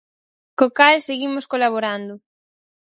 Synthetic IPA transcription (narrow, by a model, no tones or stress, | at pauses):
kokalseɣimʊskolaβ̞oɾand̪ʊ